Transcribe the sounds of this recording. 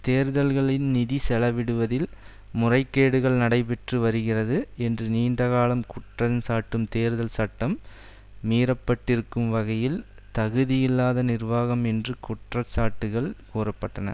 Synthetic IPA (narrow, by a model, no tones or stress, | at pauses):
t̪eːɾɯðɐlɣɐɭɪnnɪðisɛlɐʋɪɽɯʋɐðɪl | mʊrɐɪkːeːɽɯɣɐɭnɐɽɐɪp̬ɛʈrɯʋɐɾɯɣɪrɐðɯɛndrɯniːɳɖɐɣaːlɐmkʊʈrɐnsaːʈːɯmt̪eːɾɯðɐlsɐʈːɐmː | iːɾɐpːɐʈːɪɾɯkːɯmʋɐɣɐjɪl | t̪ɐɣɯðɪjɪlːaːðɐnɪrʋaːɣɐmɛndrɯkʊʈrɐsaːʈːɯɣɐɭkuːrɐpːɐʈːɐnɐ̰